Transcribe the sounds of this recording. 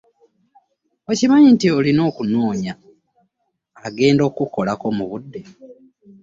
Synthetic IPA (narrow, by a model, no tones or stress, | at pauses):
ocimaɲintiolino̞ːkunoːɲa | ɡe̞ːndo̞ːkuko̞lako̞muβudːe̞